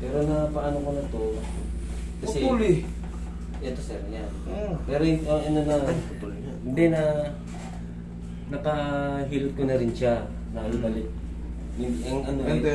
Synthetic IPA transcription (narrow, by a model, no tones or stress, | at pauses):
pɛːɾo̞nɐpɐʔaːnokonɐt̪o̞ | kɐsɛulɪ | ʔɛt̪o̞sɛɾɲan | pɛɾoɪɐŋɐnonɐt̪l | hɪnd̪ɛnɐ | nɐpɐɦiːlɪt̪̚konɐɾɪnʃa | nɐlʊɐlɪt̪̚ | jɪɐŋʔɐno